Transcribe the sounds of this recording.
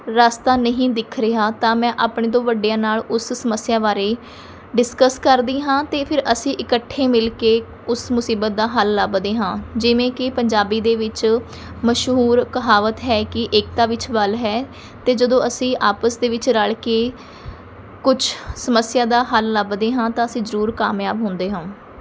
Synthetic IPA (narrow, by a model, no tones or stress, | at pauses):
ɾaːst̪aːnəɦĩːd̪ɪkʰɾɪɦaːt̪ãːmɛ̃ːʔaːpɳeːd̪õːʋəɖːejãːnaːlʊssəməsɪjaːʋaːɾeː | ɖɪskəskəɾd̪iːɦãːt̪eːpʰɪɾʔəsĩːʔɪkəʈʰːeːmɪlkeː | ʊsmʊsiːbət̪̚d̪aːɦəlːəbd̪eːɦãːd͡ʒɪʋẽːkɪpəɲd͡ʒaːbiːd̪eːʋɪt͡ʃ | məʃɦɦuːɾkəɦaːʋət̪ɦɛːkɪʔɪk̚t̪aːʋɪt͡ʃbəlɦɛː | t̪eːd͡ʒəd̪õːəsĩːʔaːpəsd̪eːʋɪt͡ʃɾəɭkeː | kʊt͡ʃʰsəməsjaːd̪aːɦəlːəbd̪eːɦãːt̪ãːəsĩːzəɾuːɾkaːmjaːbɦʊ̃ːnd̪eːɦãː